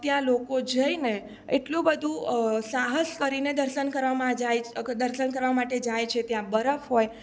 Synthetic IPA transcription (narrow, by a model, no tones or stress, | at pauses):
t̪jãlokod͡ʒəine | eʈlũbəd̪ʱũsaɦəskəɾined̪əɾʃənkəɾʋamãd͡ʒajd̪əɾʃənkəɾʋamaʈed͡ʒajt͡ʃʰet̪jãbəɾəfɦoj